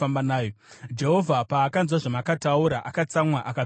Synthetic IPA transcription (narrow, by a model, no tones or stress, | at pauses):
ambanaːjod͡ʒe̞ɦo̞vʱapaːkanzwaʐamakatauɾaʔakat͡samwaʔaka